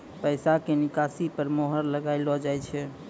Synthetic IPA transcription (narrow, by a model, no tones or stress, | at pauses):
pəɪsakenikasipəɾmoɦəɾləɡaɪlɔd͡ʒajt͡ʃʰɛ